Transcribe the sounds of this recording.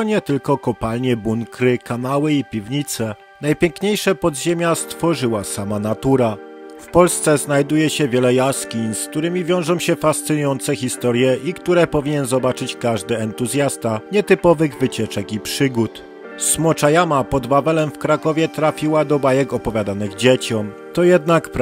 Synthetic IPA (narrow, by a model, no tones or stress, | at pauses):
ɔɲɛt̪ɘlkɔkɔpalɲɛbuŋkɾɘkanawɘipʲivɲit̪sɛ | najpʲjɛŋkɲejʂɛpɔd̪ʑemʲjast̪fɔʐɘwasamanat̪uɾa | fpɔlst̪sɛznajd̪ujɛɕɛvʲjɛlɛjaskʲinsk̚t̪uɾɘmʲivʲjɔ̃w̃ʐɔ̃w̃ɕɛfast̪sɘnujɔnt̪sɛxʲist̪ɔɾjɛikt̪uɾɛpɔvʲiɲɛnzɔbat͡ʂɘt͡ɕkaʐd̪ɘɛnt̪uzʲjast̪aɲɛt̪ɘpɔvɘɣvɘt͡ɕɛt͡ʂɛkipʂɘɡut̪ | smɔt͡ʂajamapɔd̪vavɛlɛmfkɾakɔvʲjɛt̪ɾafʲiwad̪ɔbajɛkɔpɔvʲjad̪anɘɣd͡ʑet͡ɕɔm | t̪ɔjɛd̪nakp